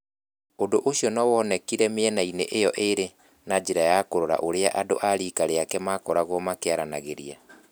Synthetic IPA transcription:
odoʔoɕiɔnɔwɔnɛkiɾɛmeɛnainḛʔejɔʔeɾe | nad͡ʒeɾajakoɾoɾa̰ʔoɾea̰ʔado̰ʔaɾiːkaɾeakɛmakɔɾaɣwɔmakeaɾana̰ɣeɾḭa̰

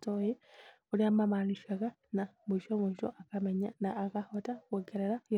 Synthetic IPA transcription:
toji | uɾiamamaniʃaka | namuʃomuʃo̰ʔakameɲanaːkahotakeɡeɾeɾaj

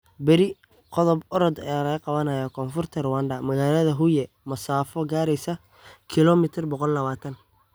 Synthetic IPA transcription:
bɛɾɪ | qɔðɔbɔɾɔd̪ɐjalɐɣɐqɑβɐnɐjɐkʰɔːnfʊrt̪ʰɐɾwandɐmɐɣaːlɐðɐɦʊjɛ | mɐsaːfɔɡaːɾɛjsɐ | kʰɪlɔmɪt̪ʰɪrbɔqɔlːɐβaːt̪ʰɐn

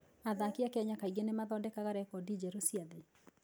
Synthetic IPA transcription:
aðakiakɛɲakaiɣenemaðɔdɛkaɣaɾɛkɔdid͡ʑɛɾosiaðe

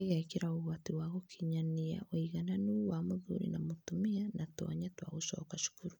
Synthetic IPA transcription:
ɣakeɾaoɣatiwaɣokʰiɲania̰ʔoiɣananuwamoðṵɾḭnamotumianatɔ̰ɲatwa̰ɣosɔ̰kaʃu̥kuɾu

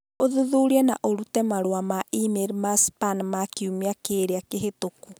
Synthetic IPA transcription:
oðuðuːɾiɛnaʔoɾutɛmaɾwamaʔimeɾmaspanmakiumiakeːɾeakeɦetoku

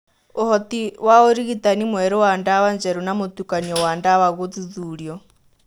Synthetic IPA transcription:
ohɔtiwaoɾiɣitanimwɛɾɔwandawaɲd͡ʒɛɾunamot̪ukaniɔwaːndawaɣot͡siðuːɾjɔ

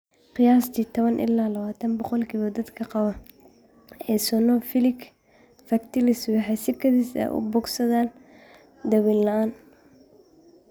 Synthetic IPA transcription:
qɪjaːst̪ʰiːt̪ʰɔβɐnʔɪ̰lːaːlɐβaːt̪ʰɐnbɔqɔlkʰiβɔd̪ɐd̪kʰɐqɑβɐ | ɛsɔnɔfɪlɪk | fɐkt̪ʰɪlɪswɑħɑjsɪkʰɐðɪsɛ̰ʔʊ̰bɔɡsɐðaːn | d̪ɐwiːnlɐaːn

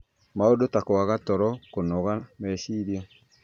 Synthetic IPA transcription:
maodotakoaɣatɔɾɔkonɔɣamɛʃiɾjɔ

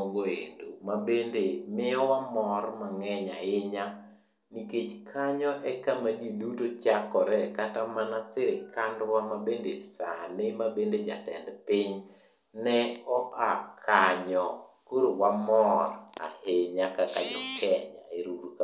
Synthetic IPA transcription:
ɡoḛndomabendemɪɔwamɔrmaŋɛɲaɪɲa | niket͡ʃkʰaɲɔʔɛkamad͡ʒidutot͡ʃakɔɾɛkatamanasɪɾekʰandwamabendesanɪmabended͡ʒa̰tɛ̰ndpɪɲ | nɛɔʔakʰaɲɔkoɾowamɔra̰heɲakakaɲɔkʰɛɲaeɾuɾka

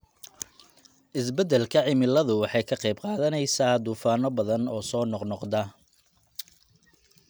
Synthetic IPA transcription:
ʔɪs̬bɛd̪ɛlkʰɐʕɪmɪlɐðʊwɑħɑjkʰɐqɛjb̚qɑːðɐnɛjsaːd̪uːfaːnɔbɐðɐnɔːsɔːnɔqnɔqd̪ɐ

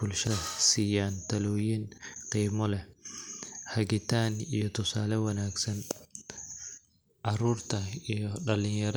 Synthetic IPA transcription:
bʊlʃɐsiːjaːnt̪ʰɐlɔːjɪnqiːmɔlɛ | hɐɡɪt̪ʰaːnijɔt̪ʊsaːlɛwɐnaːɡsɐn | ʔɐɾuːɾt̪ʰɐijɔɗɐlɪɲjɛɾ

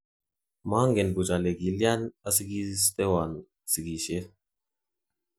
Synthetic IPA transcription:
maːŋɡenbut͡ʃaleɡiljanɐsiɡist̪ewan | siɡiʃe

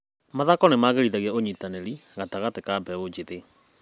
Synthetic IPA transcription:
maðakɔnemaːɣeɾiðaɣɛoɲitaneɾiɣataɣatekabɛod͡ʒeðe

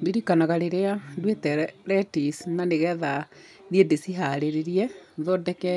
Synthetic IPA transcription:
deɾikanaɣaɾeɾeandwetɛɾɛtisnaneɣɛða | ðiɛdesiɦaɾeɾeɾiɛðɔdɛkɛ

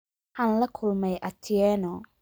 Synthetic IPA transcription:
ħaːnlɐkʰʊlmɛjʔɐt̪ʰɪɛːnɔ

